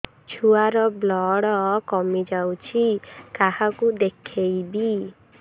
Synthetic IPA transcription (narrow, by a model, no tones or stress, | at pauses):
t͡ʃʰuaɾɔblɔɽɔkɔmid͡ʒawt͡ʃʰikahakud̪ekʰejbi